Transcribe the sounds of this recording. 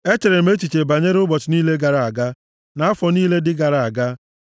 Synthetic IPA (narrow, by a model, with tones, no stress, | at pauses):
e˦t͡ʃe˨ɾe˨m̩˦e˦t͡ʃi˨t͡ʃe˨ba˨ɲe˦ɾʊ˦bɔ˨t͡ʃɪ˨niː˦le˦ɡa˨ɾa˨a˨ɡa˦ | na˨˦a˦fɔ˨niː˦le˦dɪ˦ɡa˨ɾa˨a˨ɡa˦